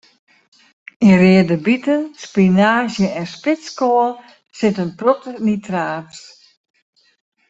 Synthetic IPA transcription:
inrɪədəbitənspinaːzjəɛnspɪskoəl | sɪtənprotənitraːs

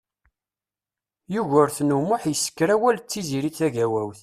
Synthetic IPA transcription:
juʝəɾθnumʊħjəsːə̥kːɾæwælt͡sːiziɾiθæʝæwæwθ

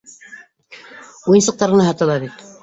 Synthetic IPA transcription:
ujɤnsɤ̆q̚t̪ɑɾʁɤ̆nɑɦɑt̪ɤ̆lˠɑβit̪

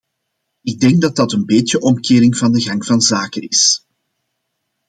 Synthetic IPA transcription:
ɪɡ̚dɛŋɡ̚dɑt̚dɑtənbeːtjəʔɔmkeːɾɪŋvɑndəɣɑŋv̥ɑnzaːkənɪs

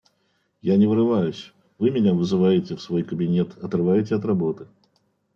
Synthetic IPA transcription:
janʲɪvɨɾɨvajʊsʲ | vɨmʲɪnʲavɨzɨvajɪtʲɪfsvo̞jkəbʲɪnʲet̪ɐt̪rɨvajɪtʲɪɐt̪rɐbo̞t̪ɨ̥

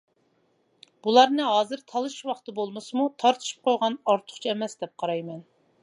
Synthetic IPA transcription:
b̥ulˠɑɾnɨɦɑːzɨɾt̪ʰɑlˠɨʃwɑχt̪ɨbolˠmɨsɨmut̪ʰɑɾt̪ʰɨ̥ʃi̥p̚qʰojʁɑnɑɾt̪ʰʊ̥χt͡ʃʰiɛmɛsd̪ɛp̚qʰɑɾɑjmɛn

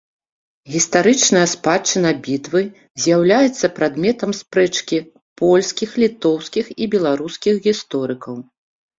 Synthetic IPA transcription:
ɣʲist̪aɾɨt͡ʂnɐjɐspat͡ʂːɨnɐbʲit̪vɨ | zʲjawlʲajɛt̪sːɐpɾad̪mʲɛt̪ɐmspɾɛt͡ʂkʲi | pɔlʲsʲkʲixlʲit̪ɔwskʲixibʲɛlˠaɾuskʲixɣʲist̪ɔɾɨkɐw

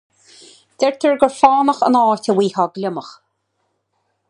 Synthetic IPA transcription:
d̪̥ɛɹt̪ʰəɹɡəɹfɑːnəxə̰nɑːtəwiːhɔɡlɪməx

